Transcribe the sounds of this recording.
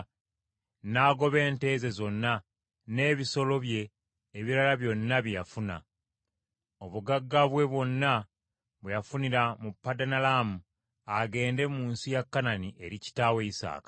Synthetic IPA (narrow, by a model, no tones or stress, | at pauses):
naːɡo̞βe̞ːnte̞ːze̞zo̞nːa | ne̞ːβiso̞lo̞βje̞ː | βiɾalaβjo̞nːaβjijafuna̰ | o̞βuɡaɡːaβwe̞βwo̞nːa | βwejafuniɾamupːadanalamu | aɡe̞ːnde̞muːnsijakːananiʔe̞ɾici̥taːwe̞isa̰ːkḁ